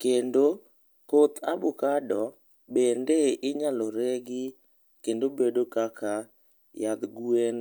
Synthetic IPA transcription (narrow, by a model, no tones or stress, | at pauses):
kendo | kot̪abʊkadɔ | bendeɪɲalɔɾeɡɪ | kendobedokaka | jad̪ɡuen